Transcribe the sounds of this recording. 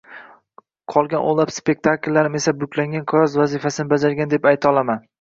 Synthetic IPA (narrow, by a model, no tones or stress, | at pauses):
qʰɒlˠɡʲanʔo̰lˠapspe̞k̚ʲt̪ʰakʲlːaɾɪme̞sabʊkʲʰlaŋɡʲankʰjɒzvazɪfasɪnɪbad͡ʒaɾɡʲand̪e̞pajt̪ʰɒlˠaman